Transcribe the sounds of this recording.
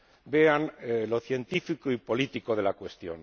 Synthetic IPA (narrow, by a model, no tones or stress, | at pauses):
be̞anlo̞θje̞nt̪ifikoipo̞lit̪iko̞ð̞e̞lakwe̞st̪jo̞̰n